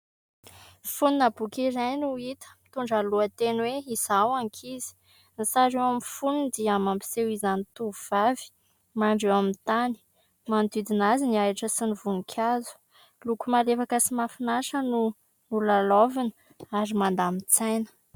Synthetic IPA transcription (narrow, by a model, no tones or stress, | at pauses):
funinabukizajnuit̪ə̥mi̥t̪uɳɖ͡ʐaluət̪enweizawaŋkʰizi̥ | nisaɾewamifunud̪iamampi̥sewizanit̪uvuv̥avi̥ | maɳɖ͡ʐewamint̪ani̥ | mant̪id̪inaziniaʈ͡ʂəsinivunikʲʰazu̥ | lukumalefakəsimafinaʃənu | nulalovinə | aɾimand̪amit͡sajnə̥